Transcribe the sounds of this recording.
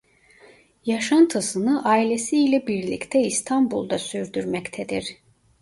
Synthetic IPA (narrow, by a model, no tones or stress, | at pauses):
jaʃant̪ʰasɯnɯʔaːilʲesiːlʲɛbiɾlʲḭct̪ʰɛist̪ʰanbṵlˠd̪asyɾd̪yɾmɛct̪ʰɛd̪iɾ̥